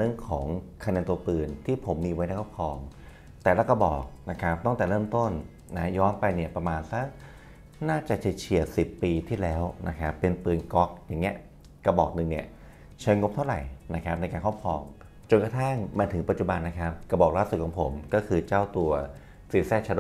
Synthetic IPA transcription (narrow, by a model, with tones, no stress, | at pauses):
ɾɯ˥˩əŋkʰɔː˩˦ŋkʰa˧nɛː˧nt̪u˧ɐpɯː˧˩nt̪ʰiː˥˩pʰo˩˦mːiː˧wa˦˥jna˧˥˩kʰɔ˥˩pkʰɔː˧ŋ | t̪ɛː˨˩laː˦˥˩ka˧bɔː˨˩k̚na˦˥kʰa˦˥p̚t̪ɔ˥˩ŋt̪ɛː˨˩ɾɤː˥˩mt̪o˥˩nː | a˦˥jɔː˦˥npa˧jni˥˩ɐpɾa˧maː˧nsa˦˥k̚ | naː˥˩t͡ɕa˨˩t͡ɕʰi˨˩t͡ɕʰi˨˩ət̚si˨˩pːiː˧t̪ʰiː˥˩lɛː˦˥wnʔa̰˦˥kʰa˦˥pːe˧npɯː˧nkɔ˦˥k̚jaː˨˩ŋːi˦˥ɐ | ka˧bɔː˨˩k̚nɯ˧˩ŋni˥˩ɐ | t͡ɕʰaː˦˥ŋo˦˥p̚t̪ʰa˥˩wɾa˨˩jna˦˥kʰa˦˥p̚na˧jkaː˧kʰɔ˥˩kʰɔ̰ː˧ŋ | t͡ɕo˧nka˧t̪ʰa˥˩ŋmaː˧t̪ʰɯ˩˦ŋpa˨˩t̪̚t͡ɕu˨˩ba˧nːa˦˥kʰa˦˥p̚ka˧bɔː˨˩k̚laː˥˩su˨˩t̚ʰɔː˩˦pʰo˩˦mkɔː˥˩kʰɯː˧t͡ɕaː˥˩wt̪u˧ɐ | siː˨˩sɛː˥˩t͡ɕʰa˧˥do˧˥